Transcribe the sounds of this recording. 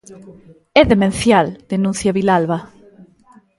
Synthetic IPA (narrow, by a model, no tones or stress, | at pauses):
ɛðemẽn̟θjald̪̥enũn̟θjaβilalβa